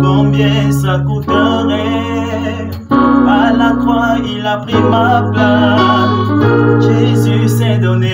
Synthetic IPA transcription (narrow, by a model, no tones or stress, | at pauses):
bɔ̃bjɛsakut̪ɔʁe | alat̪wailapʁimapla | ʒezysɛd̪ɔne